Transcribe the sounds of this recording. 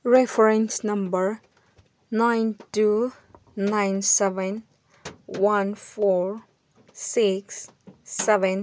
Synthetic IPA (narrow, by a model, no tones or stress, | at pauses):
ɹɛfəɹɛ̃nsnʌ̃mbəɹ | nãɪntu | nãɪnsɛʋɛ̃n | wãnfɔɹ | siksːɛʋɛ̃n